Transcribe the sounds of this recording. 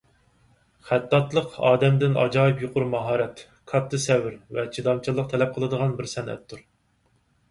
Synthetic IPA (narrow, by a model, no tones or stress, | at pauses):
χæt̪ːɑt̪lˠəqɑ̰ːd̪ɛmd̪ɪnɑ̰d͡ʒɑːɨpjuqʰʊɾmɑɦɑːɾɛt̪ | kʰɑt̪ʰːɨsɛwɪɾvɛt͡ʃʰid̪ɑmt͡ʃʰɨlˠːəq̚t̪ʰɛlɛp̚qʰəlˠɨd̪əʁɑnbɪɾsɛnɛ̰t̪ʰːuɾ